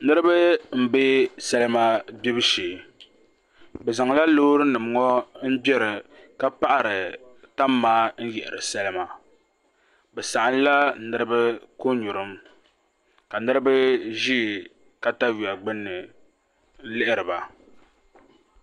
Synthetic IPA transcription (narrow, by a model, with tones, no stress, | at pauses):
nɨ˦ɾɨ˦ba˦m̩˦be˦sɛ˦lɨ˦ma˦bi˦bɨ˦ʃeː˨ | bɛ˨za˨ŋ˨la˦loː˦ɾɨ˦nɨ˨m˨ŋɔ˦n̩˦bɛ˦ɾɨ˨ | ka˦pa˦ʔa˨ɾɨ˨ | ta˦mːaː˦n̩˦jɛ˨ʔɪ̰˨ɾɨ˨sɛ˦lɨ˦ma˨ | bɛ˨sa˨ʔa˦n˦la˦nɨ˦ɾɨ˦bɨ˦ko˦ɲu˨ɾɨ˦m | ka˨nɨ˦ɾɨ˦ba˦ʒiː˦˨ | ka˦ta˦wi˨a˨ɡ͡bɨ˦nːɨ˨˦ | lɪ˦ʔɪ˦ɾɨ˨ba˨